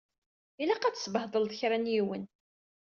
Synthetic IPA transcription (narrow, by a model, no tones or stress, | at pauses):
ilæqæt͡sːə̥sbəhðˤəlðˤəçɾænjiwən